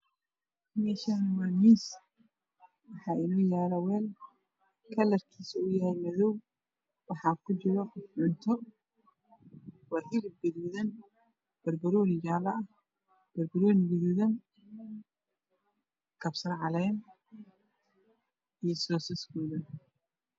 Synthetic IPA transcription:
mɛʃɐnwamiːs | wɑħɑːʔɪnɔːjaːɾɐwɛːl | kʰɐlɐrkʰiːsɐʊjɐhɛjmɐðɔw | wɑħɑːkʰʊt͡ʃɪɾɔʕʊnt̪ʰɔ | wɑħiɾbɪðuðɐn | b̥ɐɾbɐɾɔːnɪd͡ʒaːlɐʔɐ | b̥ɐɾbɐɾɔnɡɪðuːðɐn | kʰɐbsɐnʕɑlɛːn | ijɔsɔːsɪskuːðɐn

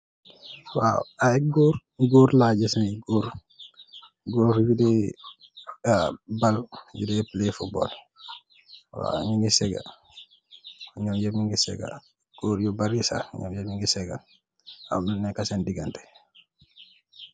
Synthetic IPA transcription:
waaɡoːɾ | ɡoːɾlaːɟisniɡoɾ | ɡoːfjudɛ | baljṵdɛplefubɔ̰l | wa̰ŋiŋɡisɛɡa̰ | ɲɔmjemiŋɡisɛ̰ɡa̰ | ɡ̥oːɾjubaɾisa̰ɲɔ̰mjmiŋɡisɛɡa̰ | a̰mnɛkasɛndiɡantɛ̥

